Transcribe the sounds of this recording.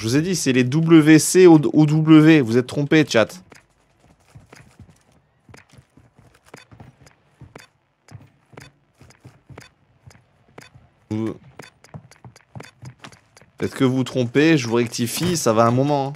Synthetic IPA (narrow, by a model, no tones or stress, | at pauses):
ʒəvuzed̪isɛled̪ubləveseood̪ubləvevuzɛt̪t̪ːχɔ̃pet͡ʃat̪ | pət̪ɛt̪χkəvut̪χɔ̃peʒəvuʁɛk̚t̪ʰifisavaɛ̃mɔmɑ̃ɛ̃